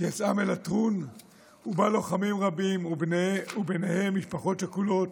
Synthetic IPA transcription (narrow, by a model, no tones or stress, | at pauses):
jat͡samelatʁun | ubalo̞χamimʁabim | ubenehe̞mːiʃpaχo̞tʃakulo̞t